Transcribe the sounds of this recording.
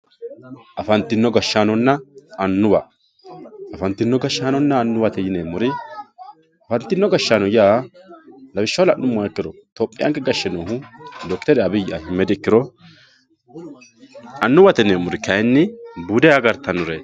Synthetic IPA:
ʔɐfɐnt̪ːɪnːɔɡɐʃːaːnɔnːɐɐnːʊwɐ̰ | ɐfɐnt̪ːɪnːɔɡɐʃːaːnɔnːɐːnːʊwɐt̪ɛjɪneːmʊɾɪ | ɐfɐnt̪ːɪnːɔɡɐʃːaːnɔjaː | lɐbɪʃːɐwlɐʔnʊmːɔɛkːɪɾɔt̪ɔpʼːɪjʔa̰ŋkɛɡɐʃːɛnoːɦʊd̪ɔkt̪ɛɾɛɐbɪjɪʔa̰hɪmːɛd̪ɪɪkːɪɾɔ | ɐnːʊwɐt̪ɛneːmʊɾɪkɐjɛnːɪbuːd̪ɛjaɡɐɾt̪ɐnʊɾe

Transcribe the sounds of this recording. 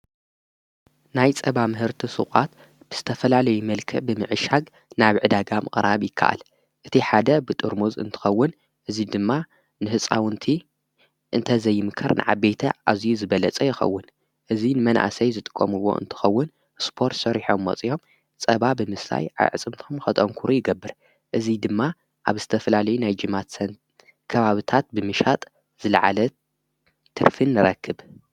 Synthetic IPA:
najt͡sʼɐβamɨɦɨɾt̪ʰisɨχʼat̪ | b̥ɨz̥ɨt̪ʰɐfɐlalɐjumɐlkʰɨbɨmɨʕɨʃaɡ | naβʕɨd̪aɡamʔɨχʼɾaβjɪkʰːa̰ʔa̰l | ʔɨt̪ʰiħad̪ɐbɨt̪ʼɨɾmuzɨ̰nt̪ʰɨ̥xɐwːʊn | ʔɨzid̪ɨmːa | nɨhɨt͡sʼawɨnt̪ʰi | ʔɨnt̪ʰɐzɐjːɪmɨkʰɐɾnʔɨ̰ʕa̰bejt̪ʰɐʔazijuzɨbɐlɐt͡sʼɐjɪxɐ̰wːʊn | ʔɨzinɨmɐnʔa̰sɐjzɨt̪ʼɨ̥kʼːɐ̰mɨwo̞̰ʔɨ̰nt̪ʰɨ̥xɐwːʊn | spʰo̞ɾt̪sɐɾiħo̞mːɐ̰t͡sʼio̞m | t͡sʼɐβabɨmɨsla̰jʕa̰jʕɨt͡sʼɨmt̪ʰo̞mxɐt̪ʼɐŋkʰuɾujɪɡɐbːɨɾ | ʔɨzid̪ɨmːa | ʔaβzɨt̪ʰɐfɐlalɐjunajd͡ʒɨmat̪sɐn | kʰɐβaβɨt̪ʰat̪̚bɨmɨʃat̪ʼ | z̥ɨlɐʕa̰lɐ | t̪ʰɨ̰ɾfɨnːɨɾɐkʰːɨβ

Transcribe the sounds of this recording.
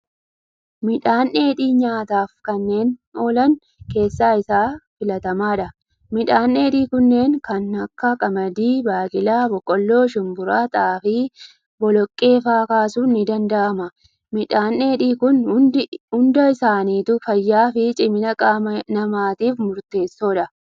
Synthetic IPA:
mɪᶑaːnʔeːᶑiːɲaːt̪aːfkɐnːe̞ːno̞ːlɐn | ke̞ːsːaːɪsaːfɪlɐt̪ɐmaːᶑɐ | mɪᶑaːnːe̞ːᶑiːkʊnːe̞ːŋkɐnɐkːɐkʼɐmɐd̪iːbaːkʼɪlaːbɔkʼːɔlːo̞ːʃɪmbʊɾaːt̪ʼaːfɪ | bɔlɔkʼːe̞ːfaːkaːsuːnːɪd̪ɐnd̪ɐʔɐmɐ | mɪᶑaːnːeːᶑiːkʊn | ʊnd̪ɐɪsaːniːt̪ʊfɐjːaːfɪt͡ʃʼɪmɪnɐkʼaːmɐnɐmaːt̪iːfmʊɾt̪e̞ːsːo̞ːᶑɐ

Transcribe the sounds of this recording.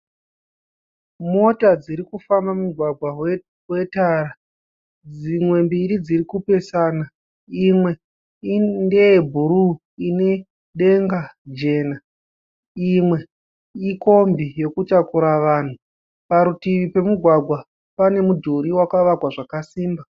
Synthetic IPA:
mo̞tad͡ziɾikufambamuɡʱwaɡʱwaw | we̞tara | d͡zimwe̞mbiɾid͡zirikupe̞saːna | imwe̞ | inde̞ebʱuɾu | ine̞ | ɗe̞ŋɡad͡ʒe̞ːna | imwe̞ | iko̞mbijo̞kutakuɾaʋaːn̤u | paɾutiʋipe̞muɡʱwaɡʱwa | pane̞mudʱuɾiwakaʋakwaʐakasiːmba

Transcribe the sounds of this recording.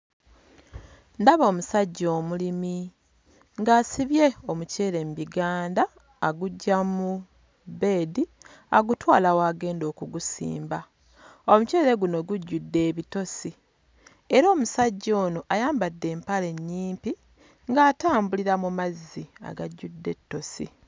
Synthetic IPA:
ndaβo̞ːmusaɟːo̞ːmulimi | ŋɡaːsiβje̞omuce̞ːɾe̞mbiɡaːndaː | ɡuɟːamu | be̞ːdi | aɡutwaːlawaːɡe̞ːndo̞ːkuɡusḭːmba | omuce̞ːɾe̞ɡuno̞ɡuɟːudːe̞ːβito̞si | eɾoːmusaɟːo̞ːnoʔajaːmbadːe̞ːmpale̞ɲːiːmpi | ŋɡaːtaːmbuliɾamumazːia̰ɡaɟːudːe̞tːo̞sḭ

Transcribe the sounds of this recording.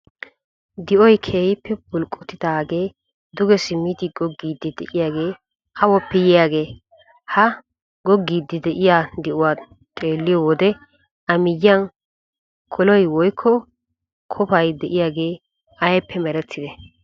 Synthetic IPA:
d̪ɪʔɔjkʰeːjɪpʰːɛbʊlkʼːɔt̪ːɪd̪aːɡe̞ː | d̪ʊɡɛsɪmːiːt̪ɪɡɔɡːiːd̪ɪd̪ɛʔɪjaːɡe̞ː | hɐwɔpːɛjɪjaːɡe̞ː | hɐ | ɡɔɡːiːd̪ːɪd̪ɛʔɪjaːd̪ɛʔʊwaː | t̪ʼe̞ːlːɪjɔwɔd̪ɛ | ʔɐmɪjːɪɐn | kʰɔlɔjwɔjkʰːɔ | kʰɔpɐjd̪ɛʔɪjaːɡe̞ː | ɐjpʰːɛmɛɾɛt̪ʰːɪd̪ɛ

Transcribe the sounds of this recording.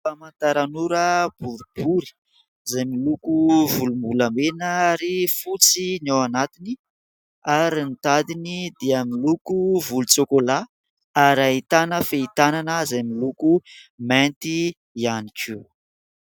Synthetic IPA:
famant̪aɾanuɾəb̥uɾib̥uɾi̥ | zajmilukuvulumbulamenaaɾifut͡sinowanat̪ini | aɾint̪ad̪inid̪eamilukuvulut͡sokola | aɾaɦit̪anəfeit̪ananəzajmilukument̪i | ianikʰi

